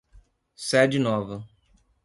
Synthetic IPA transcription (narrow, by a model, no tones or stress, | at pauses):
sɛd͡ʒɪnɔvɐ